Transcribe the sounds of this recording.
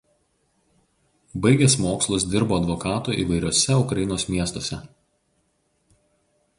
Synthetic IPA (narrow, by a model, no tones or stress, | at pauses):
bɐɪɡʲɛsmoːkslˠʊs̬d̪ʲɪɾboːɐd̪ʋɔkɑːt̪uːˑʔḭːʋɐɪɾʲoɔsʲɛʊkɾɐjɪnoːsmʲiɛst̪oːsʲɛ